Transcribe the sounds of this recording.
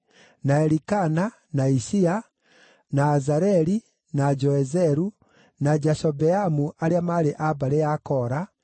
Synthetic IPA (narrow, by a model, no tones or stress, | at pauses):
naɛɾikana | naisia | naːzaɾɛɾi | nad͡ʒɔɛzɛɾu | nad͡ʒasɔbɛamuʔaɾeamaɾeʔabaɾejakɔɾa